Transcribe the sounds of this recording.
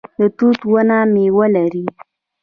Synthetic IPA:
d̪ət̪ut̪wənamewəlaɾi

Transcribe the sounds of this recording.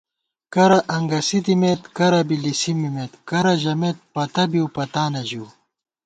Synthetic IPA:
kɐɾɐʔɐŋɡɐsit̪imet̪kɐɾɐbilisimimet̪kɐɾɐʑɐmet̪̚pɐt̪ɐbiupɐt̪aːnɐʑuː

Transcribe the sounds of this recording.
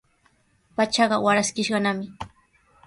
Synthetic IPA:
pat͡ʃɑɢɑwaɾaskɪʃɢɑnamɪ

